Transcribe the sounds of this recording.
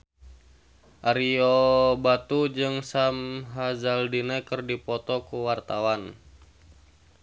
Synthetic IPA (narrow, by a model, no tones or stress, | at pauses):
ʔaɾiɔbat̪ud͡ʒɨŋsamɦazaldinakərdipɔt̪ɔkuwart̪awan